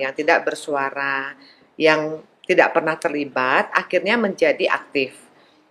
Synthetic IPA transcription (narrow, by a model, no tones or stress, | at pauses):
jaŋt̪idaʔbərsuaɾa | jaŋ | t̪idaʔpərnaht̪ərlibat̪̚akɪrɲaməɲd͡ʒadiʔa̰k̚t̪ɪf